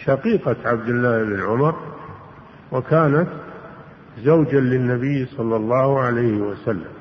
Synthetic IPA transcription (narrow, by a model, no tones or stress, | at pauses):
ʃaqiːqɑt̪ʕab̚d̪ɪlːaːhɪbɪnʕʊmɑɾˤ | wakʰaːnat̪ | zawd͡ʒalɪnːabɪjːsˤɑlːɑlˤːɑːhʕalajhɪwasalːa̰m